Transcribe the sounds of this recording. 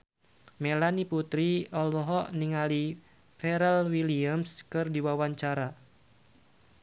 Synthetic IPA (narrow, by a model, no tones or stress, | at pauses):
melaniput̪ɾiɔlɔɦɔʔniŋali | fɛɾɛlwiliamskɨrdiwawaɲt͡ʃaɾa